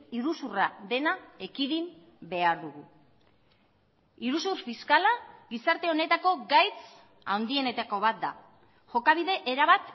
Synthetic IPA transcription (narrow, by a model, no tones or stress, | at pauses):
iɾusuraðe̞nae̞kiðim | be̞aɾðuɣu | iɾusurfiskalaɣisaɾt̪e̞o̞ne̞t̪ako̞ɡajt͡s | a̰wnd̪ie̞ne̞t̪ako̞β̞at̪̚d̪a̰ | ʝo̞kaβ̞iðe̞ʔeɾaβ̞at̪